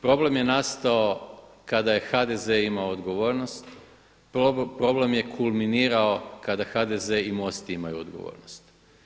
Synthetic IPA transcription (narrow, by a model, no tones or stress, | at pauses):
pɾo̞ble̞mje̞nast̪aokad̪aje̞xad̪ezeimaood̪ɡo̞ʋo̞ɾno̞st̪ | opɾo̞ble̞mje̞kʰulˠminiːɾao̞kad̪axad̪ezeimo̞st̪iimajuod̪ɡoʋo̰ːɾnost̪